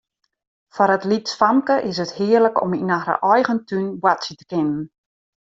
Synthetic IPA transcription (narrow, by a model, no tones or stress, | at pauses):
fɔɾətlitsfamkəʔɪs̬əthɪːərləkɔ̰minaxdə̰ʔɔjɣəntʰynbwatsjətə̥kɪnən̩